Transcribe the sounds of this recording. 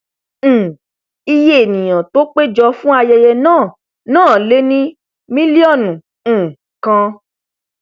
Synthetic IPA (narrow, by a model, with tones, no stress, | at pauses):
i˧je˦e˨nĩ˨j̃ã˨to˦k͡pe˦d͡ʒɔ˧fũ˦a˧jɛ˧jɛ˧nãː˦˨ | nãː˦˨le˦nĩ˦ | mĩ˦li˦ɔ˦˨nũ˨ | kã˧